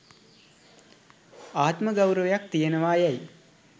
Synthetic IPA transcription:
aːt̪məɡawɾəʋejak̚t̪ijənəʋaːjɛj

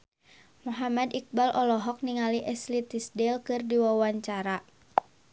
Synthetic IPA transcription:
muɦamadik̚balʔɔlɔɦɔk̚niŋaliʔɛslit̪isdɛlkɨrdiwawaɲt͡ʃaɾa

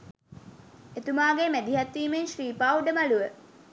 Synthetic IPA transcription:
et̪umaːɡemæd̪iɦat̪ːiːmenʃriːpaːuɖəmaluʋə

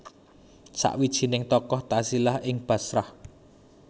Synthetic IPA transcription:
sa̰ʔwid̥ʒ̥i̤nɪŋt̪ɔkɔht̪asilahʔɪŋb̥ä̤sɾah

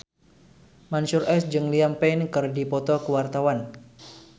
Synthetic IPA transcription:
mansurɛsd͡ʒɨŋliampɛnkɨrdipɔt̪ɔkəwart̪awan

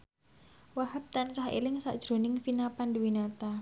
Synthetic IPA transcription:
wahəp̚t̪ant͡ʃahḛlɪŋsa̰ʔd̥ʒ̥ɾo̤nɪŋfinapanduwinat̪a

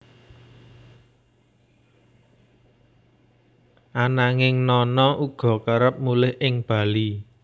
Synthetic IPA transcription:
ʔanaŋɪŋnɔnɔʔuɡ̥ɔ̤kaɾəp̚mulɪhʔɪŋb̥a̤li

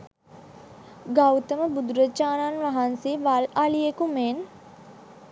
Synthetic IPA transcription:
ɡawt̪əməbud̪uɾət͡ʃaːnanʋaɦanseʋalalijekumen

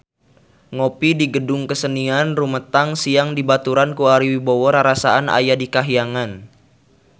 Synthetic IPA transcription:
ŋopidiɡədʊŋkəsənianrumət̪aŋsiaŋdibat̪uɾankuaɾiwibɔwɔɾaɾasaana̰jadikaɦiaŋan

